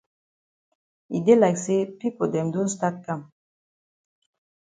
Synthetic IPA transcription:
ḭ˨d̪e˦la˨ɡse˦pi˦ko˨d̪e˨md̪u˦nst̪a˦kːa˦m

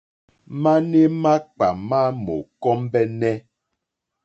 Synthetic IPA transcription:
ma˦ne˦ma˦k͡pa˨ma˦mo̰˨kɔ˦mbɛ˦nɛ˦

